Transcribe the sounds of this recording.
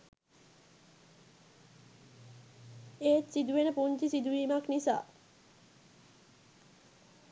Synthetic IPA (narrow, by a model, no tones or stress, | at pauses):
eːt̪sid̪uenəpunt͡ʃisid̪uimaknisa̰